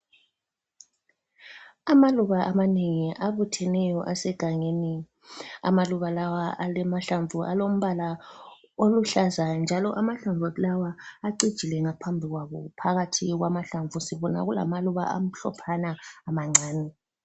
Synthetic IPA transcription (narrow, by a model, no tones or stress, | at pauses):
amaluβaʔamaneŋiʔaβutʰɛnɛjɔʔasɛɡ̥ʱaŋeni | a̰maluβalawaʔalɛmaɬaɱvuʔa̰lom̩βala | oluɬazand͡ʒʱalɔʔamaɬaɱvʱolawaːǀid̥ʒ̥ʱilɛŋapʰambʱiɣwaβɔpʰaɣatʰiɣwamaɬaɱvʱusiβɔna̰ɣula̰maluβa̰ʔa̰m̩ɬɔ̰pʰanaːmaŋ͡ǀʱaːni